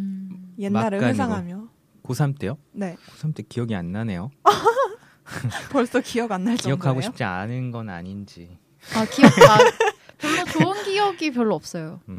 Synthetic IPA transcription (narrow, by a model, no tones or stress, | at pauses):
je̞nːaɾɯɭaesʰaŋɦamjʌ | kosʰamt͈ejone̞kosʰamt͈ekijʌɡia̰nːane̞jo | pʌɭs͈ʌkijʌɡanːaɭt͡ɕʌijʌkʰaɡoɕiop̚t͡ɕ͈ia̰nɯnɡʌna̰ɲind͡ʑi | akijʌkakjoɭmʌt͡ɕoɯnɡijʌɡip̬jʌɭːoʌp̚s͈ʌjo